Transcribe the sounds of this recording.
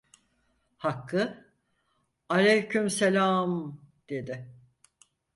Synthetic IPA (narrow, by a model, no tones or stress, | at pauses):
hakʰːɯ | alʲejcʰymselʲaːmd̪̥e̞d̪ɪ